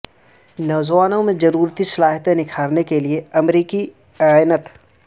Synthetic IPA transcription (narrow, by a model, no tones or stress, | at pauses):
nɔːzʋaːnõmẽd͡ʒɐɾuːɾt̪isɐlaːɦt̪ẽnɪkʰaːɾnekelieɐmɾiːki | nət̪